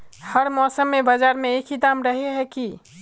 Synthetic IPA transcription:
həɾmɔsəmːebəd͡ʒaɾmeːkʰid̪amɾəɦeɦɛki

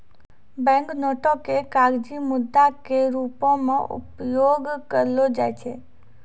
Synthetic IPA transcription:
bɛ̃ŋknɔʈokekaɡd͡ʒimʊd̪ʱːakeɾupõmãʔṵpjoɡkəɾlod͡ʒajt͡ʃʰe

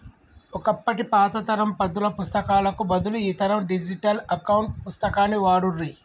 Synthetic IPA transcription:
ɔkɐpːɐʈipaːt̪ɐt̪ɐɾɐmpɐd̪ulɐpust̪ɐkaːlɐkubɐd̪uluiːt̪ɐɾɐmɖid͡ʒiʈɐlɐkɐwuɳʈpust̪ɐkaːnːiʋaːɽurːi

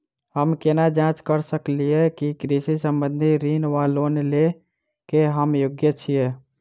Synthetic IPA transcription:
ɦəmkenad͡ʒãt͡ʃkəɾsəklijekikɾisisəmbənd̪ʱiɾinʋalonle | keɦəmjoɡjət͡ʃʰije

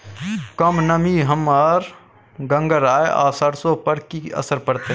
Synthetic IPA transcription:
kəmnəmiɦəmːaːɾ | ɡə̃ŋɡəɾaːeʔa̰ːsəɽsõpəɾkiɐ̰səɾpɐɽt̪e

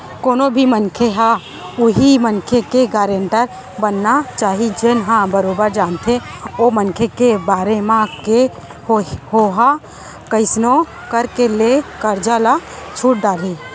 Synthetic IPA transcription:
koːnobʱimənkʰeɦã | ʊɦimənkʰekeɡaːɾeɳʈəɾ | bənːat͡ʃaːɦid͡ʒenɦãbəɾoːbəɾd͡ʒaːnt̪ʰẽomənkʰekebaːɾemãke | hoɦa | kəɪsno | kəɾkelekəɾd͡ʒalat͡ʃʰuːʈ̚ɖaːli

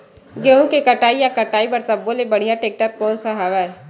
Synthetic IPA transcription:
ɡeɦũkekɐʈaːijakɐʈaːibɐɾsɐbːolebɐɽ̤ijaʈeːk̚ʈət̪̚kɔːnsaɦaːʋaɛ

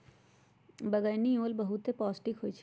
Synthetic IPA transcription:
bəɡəjnioːlbəɦut̪epɔːsʈikɦojt͡ʃʰ

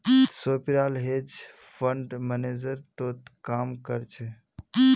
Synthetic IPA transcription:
soːpiɾaːlɦed͡ʒ | fʰəɳɖməneːd͡ʒəɾt̪oːt̪kaːmkəɾt͡ʃʰe

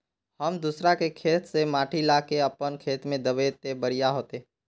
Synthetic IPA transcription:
həmd̪usɾakekʰeːt̪semaːʈʰilaːkeəpənkʰeːt̪mẽd̪əʋet̪ebəɾijaɦoːt̪eː

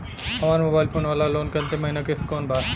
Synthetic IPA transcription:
ɐʋãːnmoːbaːɪlfʰoːnʋaːlaloːnkɐnt̪emɐɦinakeskoːnbʱaː

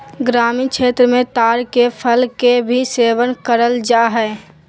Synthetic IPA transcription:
ɡɾaːmikʃʰeːt̪ɾəmẽt̪aːɾkepʰəlkebʱiseːʋənkəɾəld͡ʒaːɦɛː

